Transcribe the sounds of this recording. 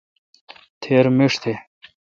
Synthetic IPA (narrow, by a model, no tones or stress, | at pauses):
t̪ʰeːɾmeʂt̪ʰe